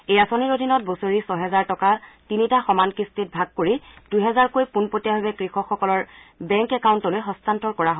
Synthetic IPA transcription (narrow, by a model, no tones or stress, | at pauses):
ejasoniɹodʱinɔt̚bosoɹisɔɦɛzaɹtɔkatinitaxɔmankistit̚bʱaɡ̚koɹid̥ujɦɛzaɹkojpunpotijaɦobɛkɹixɔkxɔkɔlɔɹbɛŋkɛkaʊntɔlojɦɔstantɔɹkɔɹaɦo